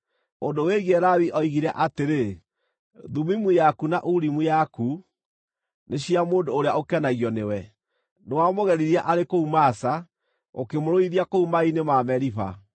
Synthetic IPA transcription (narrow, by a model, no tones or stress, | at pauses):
ondoweɣɛɾawiʔɔiɣiɾɛʔateɾe | ðumimujakunaʔuɾimujaku | neɕiamoːndoːɾeaokɛnaɣiɔnewɛ | newamoɣɛɾiɾiaʔaɾekoumasa | o̰kemoɾoiðiakoumainemaːmɛɾipa̰